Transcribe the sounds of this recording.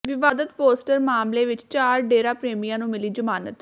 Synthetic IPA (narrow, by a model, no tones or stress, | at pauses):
ʋɪʋaːd̪ət̪poːsʈəɾmaːmleːʋɪt͡ʃt͡ʃaːɾɖeːɾãːpɾeːmijãːnũːmɪliːd͡ʒəmaːnət̪